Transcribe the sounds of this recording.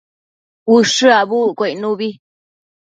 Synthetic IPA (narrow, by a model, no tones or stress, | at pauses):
uʂɨaβukʷeinũβi